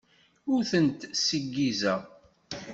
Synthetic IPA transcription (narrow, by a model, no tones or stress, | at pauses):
ʊɾθənt̪səɡːizæ